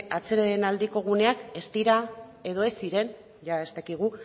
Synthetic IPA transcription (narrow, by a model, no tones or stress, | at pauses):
at͡se̞ɾaðenald̪iko̞ɣ̞une̞ake̞st̪iɾae̞ðo̞e̞siɾe̞n | ʝae̞st̪akiɣ̞u